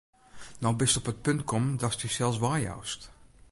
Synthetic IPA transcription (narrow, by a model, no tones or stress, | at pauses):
nɔwbɪstɔpət̚pɵntkʰɔmdɑstysɛlˠsʋaːja̰wst